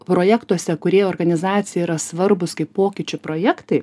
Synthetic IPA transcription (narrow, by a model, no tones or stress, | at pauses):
pɾoːjækt̪uɔsʲɛkʊɾʲiːjoːrɡɐnʲɪzɑːt̪sʲɪjɛiɾɐsʋɐɾbʊskɐɪppoːkʲɪt͡ʃʲʊpɾoːjɛkt̪ɐɪ